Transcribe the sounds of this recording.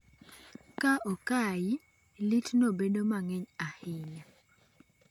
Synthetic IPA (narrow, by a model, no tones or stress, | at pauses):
kaʔɔkajɪ | litnobedomaŋɛɲahɪɲa